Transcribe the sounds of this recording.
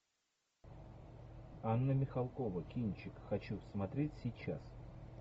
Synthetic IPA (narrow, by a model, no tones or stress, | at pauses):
anːəmʲɪxɐlˠkovəkʲinʲt͡ɕɪkxɐt͡ɕusmɐt̪ɾʲetʲsʲɪjt͡ɕas